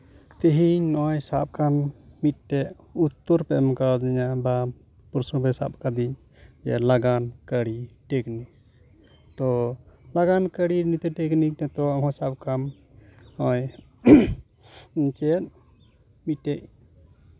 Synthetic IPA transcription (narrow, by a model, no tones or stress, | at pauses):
t̪eɦiɲnɔjsap̚kʰanmit̪̚ʈɛʔ | ut̪ːɔɾpɛʔmkad̪iɲaba | puɾsɔbɛsa̰p̚kad̪iɲ | d͡ʒɛ̰laɡankəɽiʈɛknik̚ | t̪ɔlaɡankəɽinit̪ɛʈɛknik̚nɛt̪ɔaɦɔ̃sap̚kam | ɔj | t͡ʃɛt̪̚ | mit̪̚ːɛʔ̚